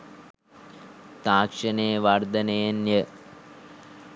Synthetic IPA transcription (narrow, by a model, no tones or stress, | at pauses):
t̪aːkʂɐnejʋɐrd̪ɐnejnjə